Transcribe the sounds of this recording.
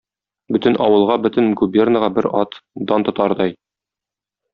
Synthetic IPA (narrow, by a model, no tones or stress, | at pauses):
bɵt̪ɘ̆nʔɒwɤ̆lˠʁɑbɵt̪ɘ̆nɡubʲernəʁɑbɘɾɑt̪d̪ɑnt̪ŏt̪ɑɾd̪ɑj